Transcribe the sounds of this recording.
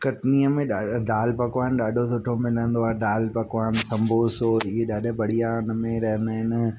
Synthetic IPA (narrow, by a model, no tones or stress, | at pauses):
kɐʈniəmẽɗad̪aːlpɐkʋaːnɗaːɖʱosʊʈʰomɪ̃lə̃nd̪oaːɦed̪aːlpɐkʋaːnsɐ̃mbʱosoːieɗaːɗʊ̆bɐɽ̤ijaʊnə̆mẽɾɐɦə̃nd̪aːɦɪnɪ